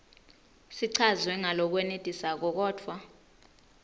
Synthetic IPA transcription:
siǀʰazwɛŋalɔk̬wɛnetʼisak̬ɔk̬ɔːtʰwa

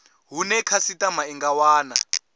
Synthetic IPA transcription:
ɦunɛkʰasitʼamaiŋɡawaːna̰

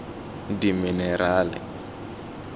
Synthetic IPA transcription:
diminɛɾaːlɪ̰

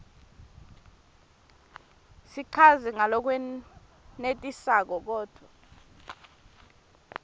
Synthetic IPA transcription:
siǃʰazɛŋalɔk̬wɛ | netʼisak̬ɔk̬ɔːd̥ʱwa

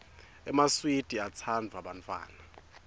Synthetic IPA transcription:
ɛ̰maswid̥ʱiat͡sʰand͡zʱaɓantʼwa̰ːna

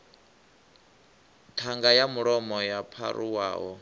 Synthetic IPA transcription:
tʰaŋɡajamuɺɔmɔjapʰa̰ɾuwa̰ːɦɔ

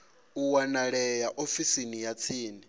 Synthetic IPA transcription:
uwanaɺɛjaʔofisinijat͡sʰiːni

